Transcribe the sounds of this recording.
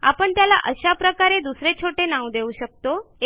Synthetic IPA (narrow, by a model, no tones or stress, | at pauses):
a̰pəɳt̪jala̰ʔəɕapɾəkaɾed̪usɾet͡ɕʰoʈenaʋd̪euːɕək̚t̪o